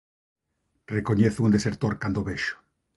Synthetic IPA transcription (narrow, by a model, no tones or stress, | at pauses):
rekoɲeθund̪eseɾt̪oɾkand̪oβeʃo̥